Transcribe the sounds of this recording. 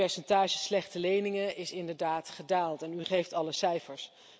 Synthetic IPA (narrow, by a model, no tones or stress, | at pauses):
ɛɹsɛntaːʒəslɛχtəlejnɪŋəʔɪsɪndəɹdaːtχədaːlˠtɛnyχejftɑləsɛjfəɹs